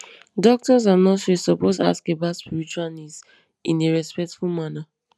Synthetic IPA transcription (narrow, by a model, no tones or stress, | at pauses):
dɔk̚tɔz̬anɔtsosɔposa̰skebaspiɾit͡ʃuanis | ĩneɹɛspɛk̚tfumana